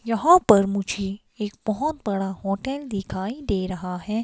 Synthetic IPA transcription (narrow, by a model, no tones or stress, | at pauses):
jɐɦãpɐɾmʊd͡ʒʱe | eːk̚bɔɦʊt̪bɐɽaɦɔːʈɛːld̪ɪkʰaːid̪eːɾɐɦaɦɛː